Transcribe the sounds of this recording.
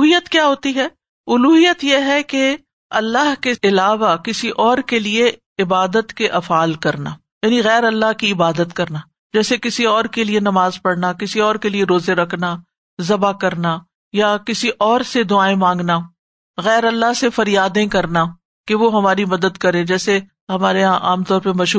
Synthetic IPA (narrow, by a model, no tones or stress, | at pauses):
ɦijət̪kjaːɦoːt̪iɦɛː | ʊluːɦijət̪jeɦɛke | ɐlːaɦkeɪlaːʋakɪsiʔɔːɾkelie | ɪbaːd̪ət̪keʔɐfaːlkɐɾna̰ː | jaːniɣɛːɾɐlːaɦkiɪbaːd̪ət̪kɐɾnaː | d͡ʒɛːsekɪsiɔːɾkelienɐmaːzpɐɽnakɪsiɔːɾkelieɾoːzeɾɐkʰna | zɐbakɐɾna | jakɪsiʔɔːɾsed̪ʊaːẽmãːŋɡna | ɣɛːɾɐlːaɦsefɐɾjaːd̪ẽkɐɾna | keʋoɦɐmaːɾimɐd̪əd̪kɐɾẽːd͡ʒɛːse | ɦɐmaːɾeʔa̰ːmt̪ɔːɾpemɐʃ